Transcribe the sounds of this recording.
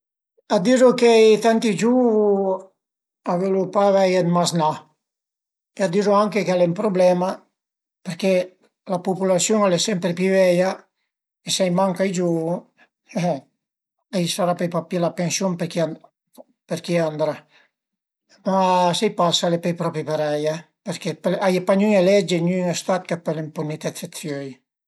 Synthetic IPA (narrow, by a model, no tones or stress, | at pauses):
ad̪iɾukejt̪ant̪id͡ʒu | avelupavajanmazna | ead̪iɾuaŋkekealempɾoblɛma | peɾke | lapupulasjoŋalesɛmpɾepjyvɛja | esajmaŋkajd͡ʒu | ɛ | ajsaɾapejpapːilapensjompeɾkia | peɾkiand̪ɾa | masajpasalepɛjpɾɔpɾipeɾaja | peɾkepelajepaɲyŋelɛd͡ʒeɲyŋest̪at̪kapːelempunit̪ɛt̪set̪sjøj